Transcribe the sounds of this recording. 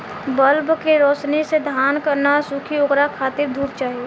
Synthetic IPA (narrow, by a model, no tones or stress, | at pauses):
bəlbkeɾɔːsnised̪ʱjaːnkəɾnasukʰioɡɾakʰaːt̪ɪɾd̪ʱuːɾt͡ʃaːɦieː